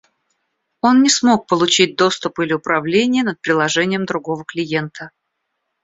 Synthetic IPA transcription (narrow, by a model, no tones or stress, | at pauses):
o̞nːʲɪsmo̞k̚pəlˠʊt͡ɕit̚ʲd̪o̞st̪ʊpɨlʲɪʊpɾɐvlʲenʲɪjənət̪̚pɾʲɪlˠɐʐɛnʲɪjəmd̪ɾʊɡo̞vəklʲɪje̞nt̪ʰə